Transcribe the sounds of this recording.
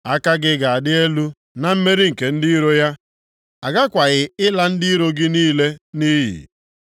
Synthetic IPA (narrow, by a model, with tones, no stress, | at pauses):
a˦ka˦ɡɪ˦ɡa˨a˨dɪ˦e˦lu˦ | na˨m̩˦me˦ɾi˦ŋ̩˨ke˨n̩˦dɪ˦ɾo˦ja˦ | a˨ɡa˦kʷa˨ɣɪ˨ɪ˦la˦n̩˦dɪ˦ɾo˦ɡɪ˦niː˦le˦ni˦ɦḭ˨